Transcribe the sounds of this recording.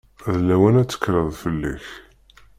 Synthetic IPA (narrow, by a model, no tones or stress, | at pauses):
ðlæwænæt͡sːə̥kːɾəðˤfəlːḭç